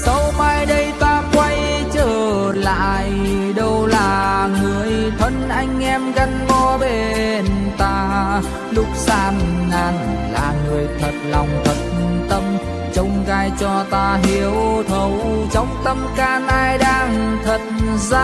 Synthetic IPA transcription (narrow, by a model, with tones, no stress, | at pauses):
sa˨˧˦wma˧jɗə˧jt̪aː˧kwa˧j | t͡ɕəː˧˨˩ | la̰ː˧˨j | ɗə˧wlaː˨˩ŋɨ˨˩əjt̪ʰwə˧˦nʔa˧jŋ̟ʔɛ˧mɣa˧nkɔ˧ɓe˨˩nt̪aː˧ | lʊ˦˥k͡p̚saː˧nːaː˧nlaː˨˩ŋɨ˨˩əjt̪ʰə˨˩t̚lɔ˨˩wŋ͡mt̪ʰə˨˩t̚t̪ə˧m | t͡ɕə˧wŋ͡mkaː˧jt͡ɕɔ˧t̪aː˧ɦi˧˩əwt̪ʰə˨˩wt͡ɕɔ˨˧˦wŋ͡mt̪ə˧mkaː˧˩nʔaː˧jɗaː˧ŋt̪ʰə˨˩t̚zaː˧